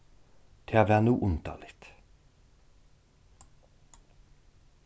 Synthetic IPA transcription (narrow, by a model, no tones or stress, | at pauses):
t̪ʰeːɑːʋæːʁnuːʔʊnt̪ʰɑ̰ːlɪt̪